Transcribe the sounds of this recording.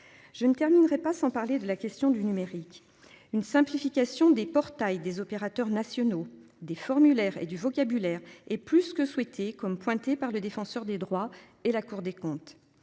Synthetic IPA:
ʒ̥ənət̪ɛʁminʁɛpasɑ̃paʁled̪əlakʲɛst̪jɔ̃d̪ynymeʁik | ynsɛ̃plifikʲasjɔ̃d̪epɔʁt̪ajd̪ezɔpeʁat̪œʁnasjɔno | d̪efɔʁmylɛʁḛd̪yvɔkʲabylɛːʁɛplyskəswɛt̪ʰekɔmpwɛ̃t̪epaʁləd̪efɑ̃sœʁd̪ed̪ʁwa | elakuʁd̪ekɔ̃t̪

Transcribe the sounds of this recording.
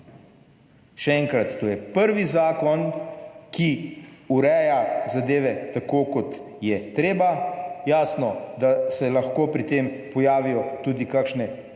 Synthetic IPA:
ʃɛɛŋkɾat̪ːoːjɛpəɾʋizaːkɔnkiuɾɛjazad̪eːʋɛt̪akoːkɔt̪ | jɛt̪ɾeːbajaːsnɔd̪asɛlɐxkoːpɾit̪eːmpɔjaːʋijɔt̪uːd̪ikakʃnɛ

